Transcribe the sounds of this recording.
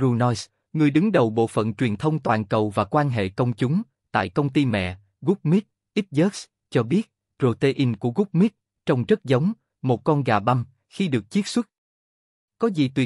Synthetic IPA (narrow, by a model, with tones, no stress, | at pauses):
zu˧nɔ˧js | ŋɨ˨˩əjɗɨ˨˦ŋɗə˨˩wɓo̰˧˨fə̰˧˨nt͡ɕwi˨˩ənt̪ʰə˧wŋ͡mt̪waː˨˩nkə˨˩wvaː˨˩kwaː˧nɦḛ˧˨kə˧wŋ͡mt͡ɕʊ˨˦ŋ͡m | t̪a̰ː˧˨jkə˧wŋ͡mt̪i˧mɛ̰˧˨ | ɣʊ˦˥k͡p̚mi˦˥t̚ | ʔi˦˥t̚zəː˦˥k̚s | t͡ɕɔ˧ɓi˦˥ət̚ | zo˧t̪e˧ʔi˧nku˧˩əɣu˦˥k͡p̚mi˦˥t̚ | t͡ɕɔ˧wŋ͡mzə˦˥t̚zə˨˦wŋ͡m | mo˨˩t̚kɔ˧nɣaː˨˩ɓa˧m | xi˧ɗɨ˨˩ək̚t͡ɕi˦˥t̚swə˦˥t̚ | kɔ˨˦zḭ˨˩t̪wi˨˩